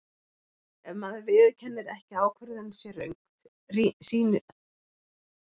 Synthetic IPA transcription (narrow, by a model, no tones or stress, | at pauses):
ɛvmaːðɪɾvɪːðcʰɛnːɪɾɛ̰hcɪaːwkʰvɛɾðanːsjɛɾœ̰ɥjŋk | isiːnʏ